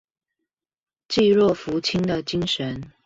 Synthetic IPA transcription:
t͡ɕi˥˧ɻwɔ˥˩fu˧˥t͡ɕʰi˥nd̪ə˨t͡ɕi˥ŋʂə˧˦n

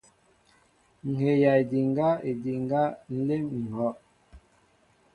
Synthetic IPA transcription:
ŋ̩˨he˨ja˨e˨di˨ŋɡa˦e˨di˨ŋɡa˦n̩˦le˦mŋ̩˨hɔ˦ʔ

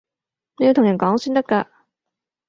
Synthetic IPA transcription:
ne˨˧jːt̪ʰŋjɐ˨˩nkɔː˨˥ŋsyː˥nt̪ɐ˥kːaː˧

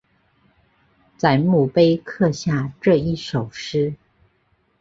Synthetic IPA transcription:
t͡sa˧˩ɪmu˥˩pe˥ɪkʰɤ˥˧ɕja˥˧ʈ͡ʂɤ˥˧i˥˩ʂo˨˩ʊʂɻ̩˥

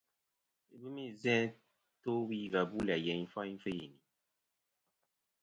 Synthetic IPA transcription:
e˨bi˦mĩ˦˨zɛ̃˦ | to˦bi˦˨va˨bu˦la˨jɛ̃˨ĩ˦fa˦i˦fe˦ji˨nĩ˨

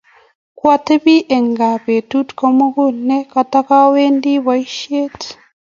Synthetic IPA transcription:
kwa˦te˦βi˦ʔe˨ŋɡa˨βe˨tu˦tko˦mu˦ɣu˦ne˦ka˨ta˦ka˦weː˦ndi˦βwa˦iʃe˦t

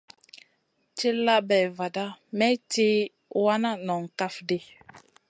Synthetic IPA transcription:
t͡ʃi˦la˦bɛ˨va˨da˦mɛ˦ti˦ | wa˦na˦nɔ˨ŋka˦fdi˦

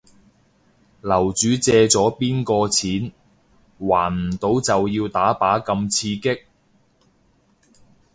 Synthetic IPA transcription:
lɐ˨˩wt͡ʃyː˨˧t͡sɛː˧t͡sɔː˨˥piː˥nkɔː˧t͡sʰiː˨˥n | waː˨˩nm̩˨˩t̪o˨˧˥wt͡sɐ˨wjiː˧wt̪aː˨˥paː˨˥kɐ˧mt͡sʰiː˧kɪ˥k̚

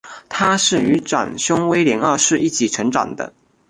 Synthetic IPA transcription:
t̪ʰa˥ʂɻ̩˥˩y˧˥ʈ͡ʂa̰˨˩ŋɕʊ˥ŋwe˥ɪljɛ˧˥ŋa˥˧ʂɻ̩˥˧i˥˩t͡ɕʰi˨˩ʈ͡ʂʰɤ˧˥ŋʈ͡ʂɑ̰˨˩ŋd̪ə̰˦

